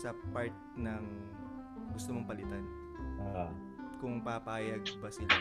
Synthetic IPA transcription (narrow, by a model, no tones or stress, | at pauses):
sɐpaɹt̪̚nɐŋ | ɡʊst̪omoŋpɐlɪt̪an | ʔo | kʊŋpapaːjɐɡ̚bɐsɪla